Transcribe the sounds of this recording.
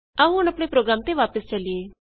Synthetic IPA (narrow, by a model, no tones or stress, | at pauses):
aũɦʊnɐpɽ̃epɾoːɡɾaːmt̪eʋaːpəst͡ʃɐlijeː